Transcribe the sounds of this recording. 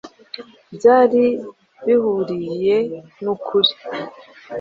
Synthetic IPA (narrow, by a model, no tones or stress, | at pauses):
bɟaːɾi | βihuɾije̞nukʰuɾi